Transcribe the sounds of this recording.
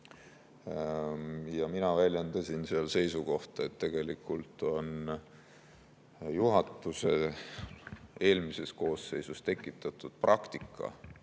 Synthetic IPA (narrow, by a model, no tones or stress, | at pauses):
jɑminɑvælʲjend̪ɑsʲinseɑlse̞jsuko̞ht̪et̪ːe̞ɡ̥e̞likːˑult̪o̞n | juɦɑt̪ːˑuse̞ | e̞ːlmise̞sko̞ːsːe̞jsust̪e̞kːˑit̪ːˑɑt̪ːˑud̪̥̚prʔɑkt̪ikːˑɑ̰